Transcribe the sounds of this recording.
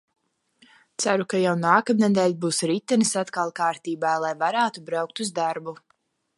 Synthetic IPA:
t̪sæɾukajawnaːkamnɛd̪ɛjlʲbuːsɾit̪ːɛnɨsat̪kalˠkaːɾt̪iːbaːlˠajvaɾæːt̪ubɾawk̚t̪uzd̪aɾbu

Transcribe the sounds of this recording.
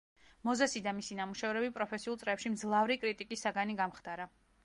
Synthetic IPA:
mɔzasid̪amisinamuʃɛvɾɛbipʼɾɔpʰɛsiulˠt̪sʼɾɛpʃimd̪zlˠavɾikʼɾit̪ʼikʼisːaɡaniɡamχd̪aɾa

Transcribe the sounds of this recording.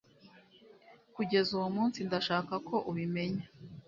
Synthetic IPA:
kuɟe̞zuwumuːnsindaʃaːkakʰo̞ʔuβime̞ɲa

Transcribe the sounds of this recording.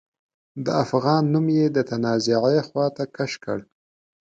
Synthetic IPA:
d̪əafɣɑnːumjed̪ət̪anɑzɪʕejxwɑt̪akaʃkə̰ɽ

